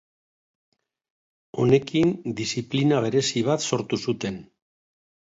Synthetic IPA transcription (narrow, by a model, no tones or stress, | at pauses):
o̞ne̞kind̪isiplinaβ̞e̞ɾe̞siβ̞at̪so̞ɾt̪usut̪e̞n